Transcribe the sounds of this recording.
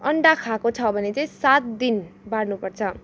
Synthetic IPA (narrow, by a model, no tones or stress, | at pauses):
ʌɳɖakʰakot͡sʰʌbʱʌnet͡saĩsat̪̚d̪inbaɽnupʌrt͡sʰʌ